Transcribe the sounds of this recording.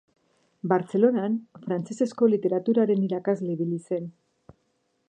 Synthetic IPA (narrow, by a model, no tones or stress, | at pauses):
baɾt͡se̞lo̞nanfɾant͡se̞se̞sko̞lit̪e̞ɾat̪uɾaɾe̞niɾakazle̞iβ̞ilise̞n